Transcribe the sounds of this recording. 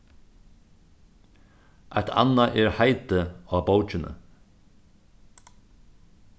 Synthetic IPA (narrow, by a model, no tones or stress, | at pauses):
ʔa̰t̪ʰa̰naʔɛɹhaɪt̪əɑːbowt͡ʃɪnə̰